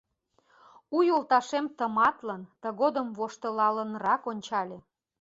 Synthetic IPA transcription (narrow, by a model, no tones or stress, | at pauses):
ujolt̪ɑʃemt̪əmɑt̪lənt̪ə̆ɣod̪əmβoʃt̪ə̆lɑlənɾɑkonʲt͡ɕɑlʲe